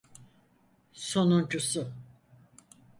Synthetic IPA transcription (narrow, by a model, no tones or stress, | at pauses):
so̞nund͡ʒusʊ